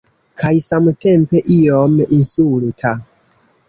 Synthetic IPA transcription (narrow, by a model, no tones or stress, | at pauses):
kʰajsamte̞mpeʔiominsultʰa